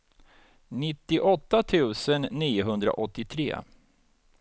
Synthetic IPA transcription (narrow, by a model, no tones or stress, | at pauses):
nɪt̪ːɪʔɔt̪ːat̪ʰʉ̟ːsənːiːʊɦɵnd̪ɾa̰ʔɔt̪ːɪt̪ʰɾḛː